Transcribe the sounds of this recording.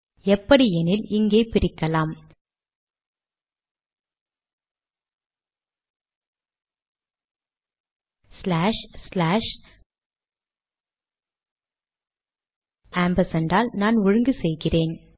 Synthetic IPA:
ɛpːɐɽiɛnɪlɪŋɡeːpɪɾɪkːɐlaːm | slaːʂslaːʂ | aːmbɐsɐnɖaːlnaːnʊɻɯŋɡɯsɛjɣɪreːn

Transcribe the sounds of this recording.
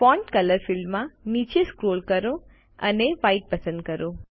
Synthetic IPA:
fɔ̃ɳʈkələɾfɪlmãnit͡ʃeskɾoːlkəɾo | ə̰neʋaiʈ̚pɐsə̃nd̪̚kəɾo

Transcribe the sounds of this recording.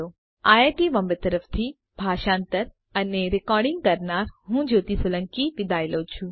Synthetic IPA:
o | aːjeʈiʋɐmbət̪əɾəft̪ʰi | bʱaːʃãːnt̪əɾ | ɐneɾɪkɔːɾɖĩŋɡkɐɾnaːɾɦũd͡ʒoːt̪isʊlə̃ŋkiʋɪd̪ʱaːjɪloːt͡ʃʰu

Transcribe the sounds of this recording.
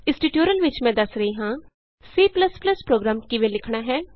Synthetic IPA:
ɪ̃sʈiːʈjoːɾəlʋɪt͡ʃmɛ̃ːd̪əsɾəɦiːɦãː | siːpləspləspɾoːɡɾaːmkɪʋẽːlɪkʰɳaːɦɛː

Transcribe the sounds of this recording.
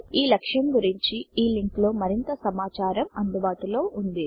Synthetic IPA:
iːlɐkʂɐmɡuɾiɲt͡ʃiiːliŋklo̞ːmɐɾint̪ɐsɐmaːt͡ʃaːɾɐmɐnd̪ubaːʈulo̞ːʔund̪i

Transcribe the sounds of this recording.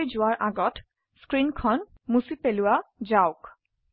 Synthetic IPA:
jzʊwaɹʔaɡɔt | skɹinkʰɔn | musipelʊwazaʊk

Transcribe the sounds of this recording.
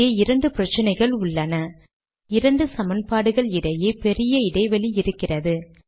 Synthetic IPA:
eɪɾɐɳɖɯpɪɾɐt͡ʃːɪnɐɪɣɐɭʊɭːɐnɐ | ɪɾɐɳɖɯsɐmɐnpaːɽɯɣɐɭɪɽɐjeːpɛɾɪjɐɪɽɐɪʋɐɭiɪɾɯkːɪrɐðɯ

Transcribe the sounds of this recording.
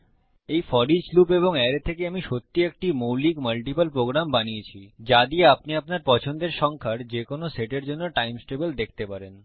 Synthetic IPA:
ejfɔɾid͡ʑslupeboŋeɾet̪ʰekeamiʃot̪ːiek̚ʈimowlikməlʈipəlpɾoɡɾambaniet͡ɕʰid͡ʑad̪ieapniapnaɾpɔt͡ɕʰond̪eɾʃɔŋkʰaɾd͡ʑekonoseʈeɾd͡ʑonːoʈajmsʈebəld̪ekʰt̪epaɾen

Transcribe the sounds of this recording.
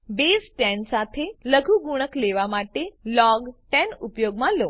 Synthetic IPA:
besʈɛnsat̪ʰeləɡʱuɡuɽ̃əkleʋamaʈelɔɡʈɛnupjoɡmãlo

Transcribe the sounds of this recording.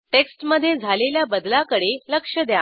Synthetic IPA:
ʈeksʈməd̪ʱːjed͡zʱaleljabəd̪lakəɽeləkʂəd̪ja

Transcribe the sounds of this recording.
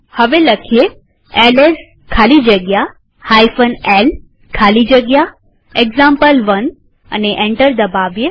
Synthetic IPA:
həʋeləkʰie | eles | kʰalid͡ʒəɡja | hajfənel | kʰalid͡ʒəɡja | eɡzãmpəlʋən | ə̰neʔẽɳʈəɾd̪əbaʋje

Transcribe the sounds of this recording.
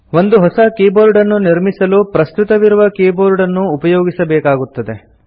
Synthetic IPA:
ʋond̪uɦɔsɐkeːboːɾɖɐnːuniɾmisɐlupɾɐst̪ut̪ɐʋiɾuʋɐkeːboːɾuɽɐnːuːpɐjoːɡisɐbɛːkaːɡut̪ːɐd̪e̞

